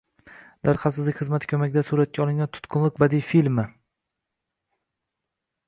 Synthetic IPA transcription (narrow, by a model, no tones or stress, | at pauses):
d̪aɾqʰasɪzlɪkʲχɨzmat̪ʰɪ̥kʲʰɵmakʲɪd̪asuɾat̪̚kʰʲaɒlˠɪŋʲant̪ʰʊ̥t̪kʰʊnlˠɪq̚bad̪ifilmɪ